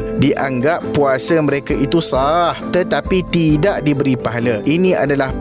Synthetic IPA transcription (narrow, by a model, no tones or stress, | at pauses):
diʔa̰ŋɡapːuasamə̃ɾekait̪usaht̪ət̪apit̪idaʔdibəɾipaɦalaʔinĩa̰dalah